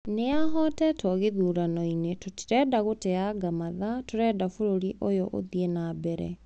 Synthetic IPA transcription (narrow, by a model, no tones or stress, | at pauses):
neaɦɔtɛtɔɣeðuːɾanɔinetotɾɛːdaɣoteaɡamaðatoɾɛːdafoɾoɾiʔojoʔo̰ðienabɛɾɛ̰